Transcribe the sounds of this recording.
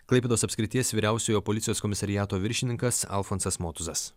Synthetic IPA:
klˠɐɪpʲɛd̪oːsɐpʲsʲkʲɾʲɪt̪ʲiɛsʋʲiːɾʲæˑʊsʲoːjoːpɔlʲɪt̪sʲjoːskɔmʲɪsɐɾʲɪjæːt̪oːʋʲɪɾʲʃʲɪnʲɪŋkɐsɐ̰lˠfonsɐsmoːt̪ʊzɐs

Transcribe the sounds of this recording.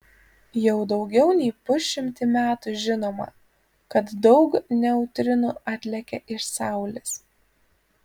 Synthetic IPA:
jɛʊd̪ɒʊɡʲɛʊnʲɛɪpʊsʃʲɪmʲt̪ʲɪmʲæːt̪uʒʲɪnoːmɐ̰ | kɐt̪d̪ɒʊknʲɛʊt̪ʲɾʲɪnuːɑt̪ʲlʲɛkʲɛʔɪʃsɑˑʊlʲɪs

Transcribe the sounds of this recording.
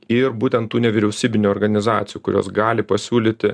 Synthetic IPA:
ɪɾbuːt̪ʲɛnt̪t̪ːuːnʲɛʋʲɪɾʲɛʊsʲiːbʲɪnʲuɔːɾɡɐnʲɪzɑːt̪sʲɪjuːkʊɾʲo̰ːsɡɑːlʲɪpɐsʲuːlʲiːt̪ʲɪ

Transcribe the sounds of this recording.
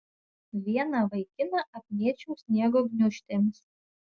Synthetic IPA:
ʋʲiɛnɐʋɐɪkʲɪnɐʔɐpʲmʲiɛt͡ʃʲuːsʲnʲiɛɡoɡnʲʊʃʲt̪ʲemʲs

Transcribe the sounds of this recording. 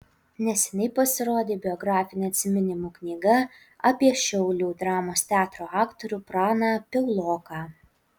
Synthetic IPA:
nʲɛsʲɛnʲɛɪpɐsʲɪɾoːd̪ʲeːbʲɪɔɡɾɑːfʲɪnʲeɐt̪ʲsʲɪmʲɪnʲɪmuːknʲiːɡɐ | ɐpʲiɛʃʲɛʊlʲuːd̪ɾɑːmoːst̪ʲæːt̪ɾoːɑːkt̪oɾʲuːpɾɑːnɑːpʲɛʊlˠoːkɑː

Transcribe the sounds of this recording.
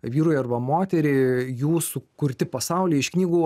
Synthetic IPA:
ʋʲiːɾuːjɐrʋɐmoːt̪ʲɛɾʲeɪjuːsʊkʊɾʲt̪ʲɪpɐsɐʊlʲiːɪʃknʲiːɡuː

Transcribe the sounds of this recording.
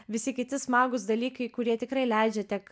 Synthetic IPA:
ʋʲɪsʲɪkʲɪt̪ʲɪsmɑːɡʊsd̪ɐlʲiːkɐɪkʊɾʲiɛt̪ʲɪkɾɐɪlʲɛɪd͡ʒʲɛt̪ʲɛk

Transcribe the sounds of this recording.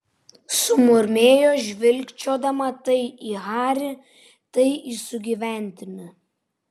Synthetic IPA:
sʊmʊɾʲmʲeːjoːʒʲʋʲɪlʲˑkt͡ʃʲoːd̪ɐmɐt̪ɐɪiːɣɑːɾʲɪ | t̪ɐɪiːsʊɡʲiːʋʲæˑnʲt̪ʲɪmʲɪ

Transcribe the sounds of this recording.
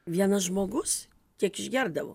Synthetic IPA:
ʋʲiɛnɐʒmoːɡʊs | kʲiɛkɪʒʲɡʲɛɾd̪ɐʋo̰

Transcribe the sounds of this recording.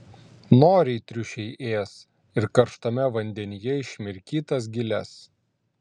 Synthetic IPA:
noːɾʲɛɪt̪ʲɾʲʊʃʲɛɪʔeːs | ɪɾkɐɾʃt̪ɐmʲɛʋɐnʲd̪ʲɛnʲɪjɛɪʃʲmʲɪɾʲkʲiːt̪ɐs̬ɡʲɪlʲɛs

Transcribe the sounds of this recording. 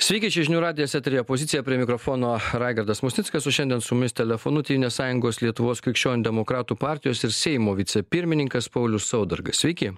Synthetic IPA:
sʲʋʲɛɪkʲiɪt͡ʃʲɛʒʲɪnʲuːɾɑːd̪ʲɪjɛsʲɛt̪ʲɾʲijopoːzʲɪt̪sʲɪjɛpʲɾʲiɛmʲɪkɾofoːnoːɾɑːɪɡɐɾd̪ɐsmʊsʲnʲɪtskɐsoːʃʲɛnʲd̪ʲɛnsʊmʊmʲɪsʲt̪ʲɛlʲɛfoːnʊt̪ʲɛʋʲinʲeːssɑːjʊŋɡoːslʲiɛt̪ʊʋoːskɾʲɪkʃʲt͡ʃʲoːnʲd̪ʲɛmokɾɑːt̪uːpɑˑɾʲt̪ʲɪjoːsɪɾsʲɛɪmoːʋʲɪt̪sʲɛpʲɪɾʲmʲɪnʲɪŋkɐspɐʊlʲʊssɐʊd̪ɐɾɡɐssʲʋʲɛɪkʲɪ

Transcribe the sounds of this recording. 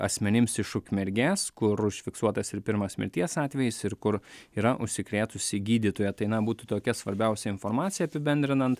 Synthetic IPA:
ɐ̰sʲmʲɛnʲɪmsɪʃʊkʲmʲɛɾʲɡʲæːskʊɾʊʃʲfʲɪksuɔt̪ɐsɪɾpʲɪɾmɐsmʲɪ̰ɾʲt̪ʲiɛsɑːt̪ʲʋʲɛjɪsɪɾkʊɾiːɾɐʔʊ̰ʃʲsʲɪkɾʲeːt̪ʊsʲɪɡʲiːd̪ʲiːt̪oːjɛt̪ɐɪnɐbuːt̪ut̪oːkʲɛsʋɐɾʲbʲɛʊsʲɛɪnfoɾmɑːt̪sʲɪjɛɐpʲɪbʲɛnʲd̪ʲɾʲɪnɐnt̪

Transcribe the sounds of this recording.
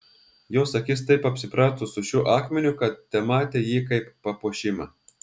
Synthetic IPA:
joːsɐkʲɪs̬t̪ɐɪpɐpʲsʲɪpɾɑːt̪ʊsʊʃʲuːʔɑːkmʲɛnʲʊkɐt̪̚t̪ʲɛmɑːt̪ʲejiːkɐɪpːɐpoːʃʲɪmɑ

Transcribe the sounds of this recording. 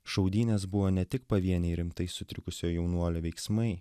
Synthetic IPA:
ʃɐʊd̪ʲiːnʲesbʊʋoːnʲɛt̪ʲɪkpɐʋʲiɛnʲɛɪɾʲɪmt̪ɐɪsʊt̪ʲɾʲɪkʊsʲoːjjɛʊnuɔlʲoʋʲɛɪksmɐɪ

